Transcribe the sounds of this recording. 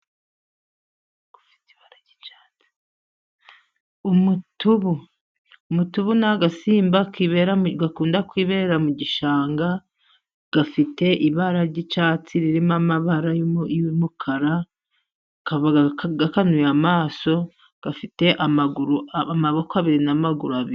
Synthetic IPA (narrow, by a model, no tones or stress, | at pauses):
ɡ̥u̥fi̥ti̥βaɾaɾɟi̥t͡ʃḁːt͡si̥ | umutuβuː | mutuβunaɡasiːmbakiβeɾaɡakuːndakwiːβeɾeɾamuɟiʃaːŋɡa | ɡ̥afite̞ʔiβaɾaɾɟit͡ʃat͡siɾiɾimamaβaɾajjumukʰaɾa | kaβɡakanujamaːso̞ | ɡ̥afite̞ʔamɡuɾumaβo̞koaβiɾinamaɡuɾuaβi